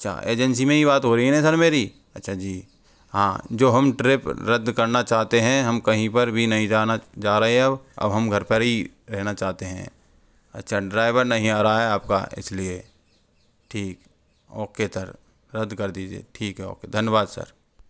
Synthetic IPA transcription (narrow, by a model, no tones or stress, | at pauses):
ɐtːʃʰa̰ʔḛːd͡ʒɛns̬imẽɦiβaːt̪ɦoːɾəɦiɛɛ̃sɐɾmeːɾi | ɐtːʃʰad͡ʒiː | ɦã̰ːd͡ʒoːɦɐmʈɾɪpɾɐd̪kɐɾnat͡ʃaːɦt̪eɦɛ̃ɦɐmkɐɦĩpɐɾbʱinɐɦĩd͡ʒanad͡ʒaːɾɐɦeɦɛ̃ɐbɐ̰bɦɐmɡʱɐɾpəɾɦi | ɾɛɦnat͡ʃaːɦt̪eɦɛ̰̃ | ɐ̰tːʃʰaɖɾaːɪʋəɾnɐɦĩaːɾaaɦɛaːp̚ka̰ɪ̰slie | ʈʰiːk | ɔ̰ːkːet̪əɾ | ɾɐd̪kɐɾd̪iːd͡ʒiḛːʈʰiːkɦɛɔ̰ːked̪ʱɐnjəbaːd̪sə̰ɾ